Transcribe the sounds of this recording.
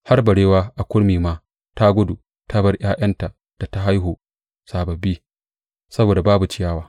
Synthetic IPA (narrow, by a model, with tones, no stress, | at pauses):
ha˦rbɐ˨ɽeː˦waː˦ʔa˨kʷʊ˦ɽmiː˨maː˦ | ta˦ɡʷʊ˦du˨ | tʰa˦bɐ˦rj̰aː˦j̰ɐ˦nta˨ | d̥a˨ta˦ɦa˦jɦoː˨ | saː˨bɐ˨bːi˦ | sɐ˦boː˨da˨baː˦bu˨t͡ʃɪ˦jaː˦waː˦